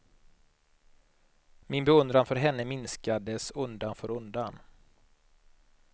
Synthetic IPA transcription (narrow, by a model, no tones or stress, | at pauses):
mɪnbɛɵnd̪ɾanfœɾɦɛnːəmɪnskad̪əsɵnd̪anfœːɾɵnd̪an